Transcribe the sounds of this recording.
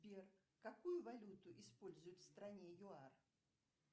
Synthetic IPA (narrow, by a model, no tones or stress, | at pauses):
bʲɛr | kakujʊvalʲut̪ʊʔɪspolʲzʊjʊt̪ʲfst̪ɾanʲɛjʊar